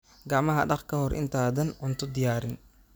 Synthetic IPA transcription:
ɡɑʕmɐɦɐɖɑχkʰɐhɔɾʔɪ̰nt̪ʰaːðɐnʕʊnt̪ʰɔd̪ɪjaːɾɪn

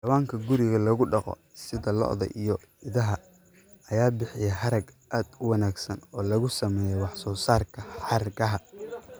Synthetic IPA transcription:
dɐwaːŋkʰɐɡʊɾɪɣɐlɐɣʊɖɑqɔ̰ | sɪðɐlɔ̰ʔðɐ̰ʔijɔ | ɪðɐɦɐ | ɐjaːbɪħɪjɛɦɐɾɐɡʔaːd̪ʊwɑnaːɡsɐnɔːlɐɣʊsɐmɛːjɛwɑħsɔːsaːrkʰɐħɑɾɡɐɦɐ

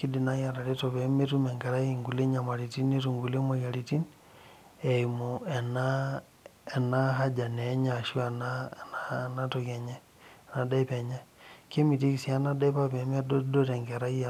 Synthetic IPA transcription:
kidinajaɾaɾitɔβɛmetumɛŋɡɛɾaiŋɡuleɲamaɾitinetuŋɡulemaɣjaɾitin | ɛimuɛna | ɛnaɦad͡ʒanɛɲaʃuanananatɔɣaɲɛ | nadaipɛɲɛkemit̬ikisianadaipaβɛmadɔdɔɾɛŋɡɛɾai

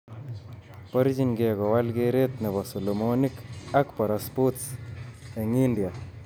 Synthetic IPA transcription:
pɔɾt͡ʃinɡɛkɔwalɡeɾet̪nebɔsɔlɔmonikakpɔɾaspotsaŋindja

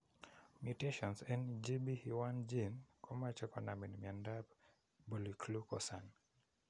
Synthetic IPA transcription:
mjutɛʃɔnsɛnd͡ʒibihiwand͡ʒinkʰɔmat͡ʃɛkɔnaminmiandab | bulikʰlukɔsan

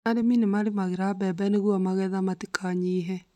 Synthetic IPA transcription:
aɾeminemaɾemaɣeɾabɛbɛneɣuamaɣɛðamatekʰaɲiːɦɛ

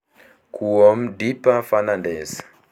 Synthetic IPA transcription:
kʰuɔm̩dipafanandɛsḁ

